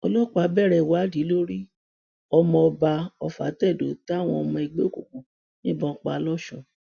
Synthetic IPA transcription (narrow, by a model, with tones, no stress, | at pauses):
ɔ˧lɔ˦k͡pa˨˦bɛ˦˨ɾɛ˧˨wa˨˦di˨˦lo˦ɾi˦ | ɔ˧mɔ̃˧ɔ˧ba˧ɔ˧fa̰˨˦tɛ˦˨do˨˦ta˦˨w̃ɔ̃˧ɔ˧mɔ̃˧i˧ɡ͡bḛ˦˨ko˨kũ˨ | nĩ˦bɔ̃˦k͡pa˧˨lɔ˦ʃɔ̃˦˨